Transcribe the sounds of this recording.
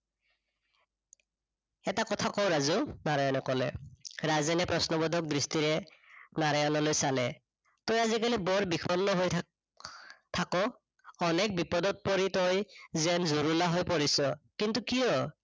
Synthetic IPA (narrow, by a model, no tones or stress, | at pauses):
ɛtakɔtʰakɔwɹazunaɹajɔnɔkɔlɛ̰ɹazɛnɛpɹɔsnɔbɔdʱɔk̚dɹistiɹɛnaɹajɔnɔlojsalɛ | tɔjazikalibɔɹbikʰɔnːɔɦoj | tʰakɔː | nɛk̚bipɔdɔt̚poɹitɔjzɛnzuɹulaɦojpoɹisɔkintukijɔ